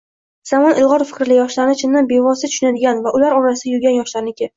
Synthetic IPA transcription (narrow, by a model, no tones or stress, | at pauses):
z̥amɒnʔɪlˠʁɒɾfɪ̥kʲɾlɪjɒʃlaɾɪnɪt͡ʃʰɪnːanbe̞vɒsɪt̪ʰʊ̥ʃʊnad̪ɪɡʲanvaʔʊlaɾɒɾasɪd̪ajʊɡʲanjɒʃlaɾnɪkʲɪ